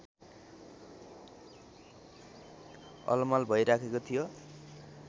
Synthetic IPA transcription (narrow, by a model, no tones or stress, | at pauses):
ʌ̰lmalbʱʌjɾakʰekot̪ʰijo